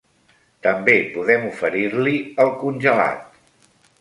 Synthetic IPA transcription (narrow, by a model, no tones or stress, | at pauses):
t̪əmbepuðɛmufəɾiɾliəlˠkunʲʒəla̰t̪̚